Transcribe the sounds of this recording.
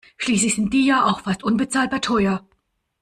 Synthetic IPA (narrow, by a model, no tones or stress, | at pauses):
ʃliːslɪçz̥ɪnt̚d̥iːjaːʔaʊxfastʔʊnbət͡saːlt̚batʰɔʏɐ